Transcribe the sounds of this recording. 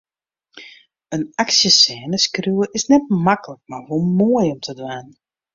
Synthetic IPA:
ənaksjəsɛːnəskruəʔɪsnɛt̚makələk̚marʋolˠmoəjɔmtʰədʋaːn

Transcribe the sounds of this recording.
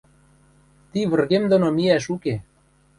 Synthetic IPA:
t̪iβə̆rɣemd̪onomiæʃuke

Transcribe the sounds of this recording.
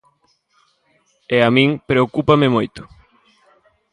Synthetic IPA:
eamĩŋpɾeokupamɪmojt̪ʊ̥

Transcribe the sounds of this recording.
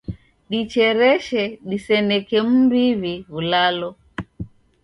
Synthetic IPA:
ɗit͡ʃɛɾɛʃɛɗisɛnɛkɛm̩biβiβulalɔ

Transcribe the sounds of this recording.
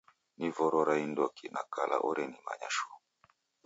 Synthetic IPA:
nivɔɾɔɾaindɔkinakala̰ʔɔɾɛnima̰ɲaʃɔ̥

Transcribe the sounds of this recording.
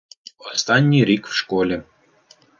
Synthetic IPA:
ost̪ɑnʲːiɾʲikfʃkolʲĕ

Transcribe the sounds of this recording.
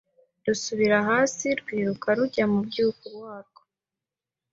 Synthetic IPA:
dusuβiɾaɦaːsiɾɡwiːɾukaɾuɟamubɟiːukuɾwaːɾɡ̥o

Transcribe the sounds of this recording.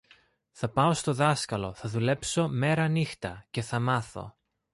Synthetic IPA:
θɐpɐo̞st̪oðɐskɐlo̞θɐðule̞pso̞me̞ɾɐnixt̪ɐce̞θɐmɐθo̞̰

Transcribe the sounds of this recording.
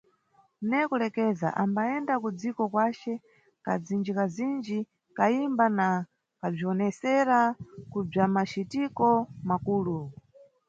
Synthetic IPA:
nɛkulɛkɛza̰ʔambaɛndakud͡zikɔkwat͡ʃɛ | kad͡zind͡ʒikazind͡ʒi | kaimbana | kab͡ʐiɔnɛsɛɾakub͡ʐamat͡ʃitikɔmakuːlu

